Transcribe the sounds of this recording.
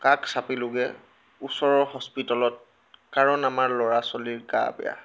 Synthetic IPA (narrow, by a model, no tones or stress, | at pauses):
kaksapilʊɡɛ | usɔɹɔɦɔspitɔlɔt̚ | kaɹɔnamaɹlɔɹasɔliɹɡa̰bɛ̰ja̰